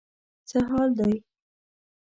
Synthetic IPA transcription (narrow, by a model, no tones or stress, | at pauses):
t͡səɦɑld̪ɑj